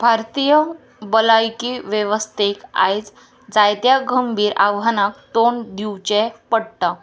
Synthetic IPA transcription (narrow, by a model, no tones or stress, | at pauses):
bʱaɾt̪ijə | bəlajkiʋjeʋəst̪eka̰jt͡s | d͡zajt̪jaɡʱəmbʱiːɾaʋɦanak̚t̪ond̪iwt͡ɕẽpəɽʈ̪a